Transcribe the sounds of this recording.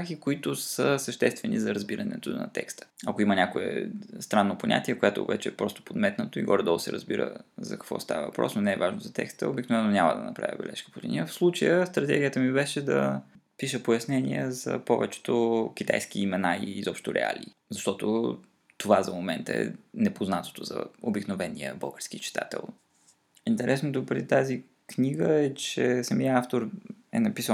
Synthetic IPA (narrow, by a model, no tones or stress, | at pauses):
axikoit̪ʊsəsəʃt̪ɛst̪vɛnizɐɾɐzbiɾənɛt̪ʊnɐt̪ɛkst̪ə̥ɐkoimənʲakoɛst̪ɾanːoponʲa̰t̪iɛkojat̪ʊ̰vɛt͡ʃɛɛpɾɔst̪o̥pod̪mɛt̪nət̪oiɡɔɾd̪ɔvˠsɛɾəzbiɾə̰zɐkɐ̥kvɔ̰st̪avə̰vɐpɾɔsnonɛːvaʒnozɐt̪ɛkst̪əobiknovɛnːonʲaməd̪ɐnɐpɾa̰vʲḭbɛ̰lʔɛʃkə̥poʊd̪linʲiəfslˠut͡ʃəjəst̪ɾɐt̪ɛɡʲiət̪əmibɛʃɛd̪ɐpiʃəpojɐsnɛniɛzɐ̰pɔvɛt͡ʃɛ̥t̪ok̟ʲit̪a̰jsk̟iːmɛnaizɔpʃt̪oɾɛ̰a̰lḭ | zɐʃt̪ɔt̪o | t̪ovazɐmomɛnt̪əɛ̰nɛpoznat̪o̥t̪ozɐ̰obiknovɛnijəbəlˠɡəɾskit͡ʃi̥t̪ʰat̪ɛ̰lˠ | int̪ɛɾʔɛsnot̪opɾit̪azi | kniɡəɛt͡ʃɛsɐmiəaft̪oɾɛnɐpisə